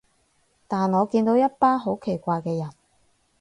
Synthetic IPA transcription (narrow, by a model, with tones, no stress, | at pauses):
t̪aː˨nŋɔː˨˧kiː˧nt̪o˨˥wjɐ˥t̚paː˥nɦo˨˥wkʰe˨˩jkʷaː˧jkɛː˧jɐ˨˩n